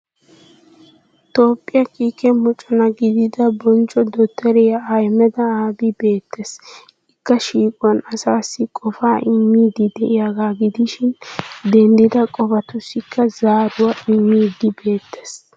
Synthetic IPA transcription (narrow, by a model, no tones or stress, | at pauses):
t̪o̞ːpʼːɪjɐkiːkɛmɔt͡ʃʼɔnɐɡɪd̪ɪd̪ɐbɔnt͡ʃʼːɔd̪ɔt̪ʰːɛɾɛjɐɐjmɛd̪ɐaːbɪbe̞ːt̪ːes | ɪkːɐʃiːkʼʊwɐnɐsaːsːɪkʼɔfaːʔɪmːiːd̪ɪd̪ɛʔɪjaɡaːɡɪd̪ɪʃɪnd̪ɛnd̪ɪd̪ɐkʼɔfɐt̪ʊsːɪkːɐzaːɾʊwaʔɪmːiːd̪ːɪbe̞ːt̪ːe̥s